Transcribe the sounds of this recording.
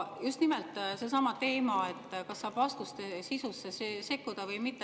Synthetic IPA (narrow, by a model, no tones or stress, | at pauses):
just̪nimɛlt̪ˑse̞sɑmɑt̪e̞ːmɑe̞t̪ːˑkɑsːɑːb̥vɑst̪ust̪esisusːesse̞kˑːud̪̥ɑvɤjmit̪ːe